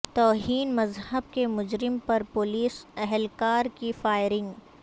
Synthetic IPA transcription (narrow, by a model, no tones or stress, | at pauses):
t̪ɔːɦiːnmɐzhəb̚kemʊd͡ʒɾɪmpɐɾpʊliːsɛɦɛlkaːɾkifaːɪɾɪ̃ŋɡ